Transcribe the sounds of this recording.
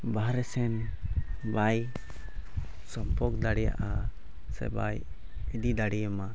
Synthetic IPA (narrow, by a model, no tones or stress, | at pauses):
baɾɛsɛn | baj | sɔmpɔkd̪aɽɛja̰ʔa | sɛ̰ba̰j | ɛd̪id̪aɽijəma